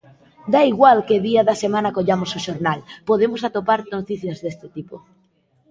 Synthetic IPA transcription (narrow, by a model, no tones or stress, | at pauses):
d̪aiɣwalkeðiaðɐsemãnakoʎamosoʃoɾnalpoðemosat̪opaɾt̪not̪iθjazðest̪ɪt̪ipo